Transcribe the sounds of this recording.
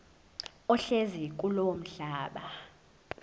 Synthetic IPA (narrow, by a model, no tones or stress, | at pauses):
ɔɬezik̬ʼulowm̩ɬaːɓa